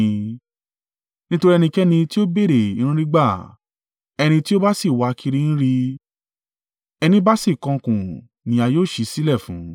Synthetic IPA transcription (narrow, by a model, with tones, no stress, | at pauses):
nĩ˦to˧ɾi˦ɛ˧nĩ˧kɛ˦nĩ˧ti˦o˦be˦˨ɾe˨i˨˧ñũ˦ɾi˦ɡ͡ba˦˨ | ɛ˧nĩ˧ti˦o˦ba˦si˦˨wa˧kʰi˧ɾi˦˧ñ̩˦ɾi˧ | ɛ˧nĩ˧˦ba˦si˦˨kɔ̃˧kũ˨ | nĩ˨˦a˧joː˦˨ʃi˧si˦lɛ˦˨fũ˨˦